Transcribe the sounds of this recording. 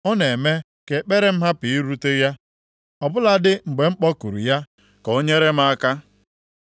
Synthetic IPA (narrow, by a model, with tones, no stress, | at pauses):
ɔ˦ne˨me˦ | ke˨k͡pe˦ɾe˦m̩˦ɦa˦pi˨i˦ɾu˦te˦ja˦ | ɔ˨bʊ˦la˦dɪ˦ŋ͡m̩˨ɡ͡be˨ŋ͡m̩˦k͡pɔ˦ku˨ɾṵ˨ja˦ | ko˦ɲe˦ɾe˦m̩˦a˦ka˦